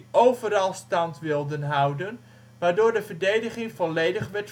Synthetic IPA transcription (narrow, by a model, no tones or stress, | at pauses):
ʔowvəɾɑlˠstɑntʋɪlˠdənɦʌwdən | ʋaːɹdoːɹdəvəɹdejdəχɪŋvɔlejdəχʋɛt